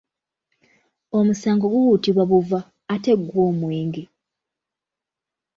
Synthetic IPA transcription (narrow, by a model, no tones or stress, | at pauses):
o̞musaːŋɡo̞ɡuhutiβwaβuvaː | te̞ɡwoːmweːŋɡe